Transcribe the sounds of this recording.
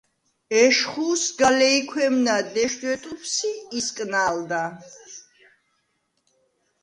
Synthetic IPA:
ɛʃχusɡalɛikʰwɛmnad̪ɛʃd̪ʼwɛt̪ʼupʰsiːskʼnald̪a

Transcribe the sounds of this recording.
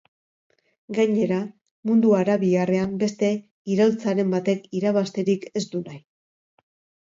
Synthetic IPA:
ɡajɲe̞ɾa | mund̪uaɾaβiɣare̞ambe̞st̪e̞ | iɾolt͡saɾe̞mbat̪e̞kiɾaβast̪e̞ɾike̞sd̪unaj

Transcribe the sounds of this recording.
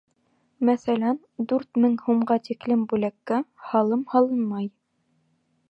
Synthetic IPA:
mæθælænd̪ʉɾt̪mɘŋhumɢɑt̪iklɘmbʉlækːæhɑlˠɤmhɑlˠɤnmɑj

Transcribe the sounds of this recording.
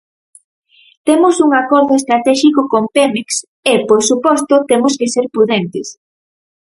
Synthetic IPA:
t̪emʊsuŋakɔɾðoest̪ɾat̪ɛʃikokompemeks | eposupɔst̪ot̪emoskeseɾpɾuðent̪ɪs

